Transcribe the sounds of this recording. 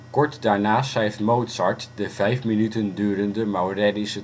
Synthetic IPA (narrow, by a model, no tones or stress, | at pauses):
kɔɹtdaːɹnaːsɛjftmowtsɑɹtdəvɛjfminytəndyːɾəndəmawrɛdisə